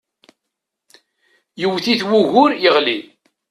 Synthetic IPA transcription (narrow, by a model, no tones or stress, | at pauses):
jəwθiθwuɣʝʊɾjəʁli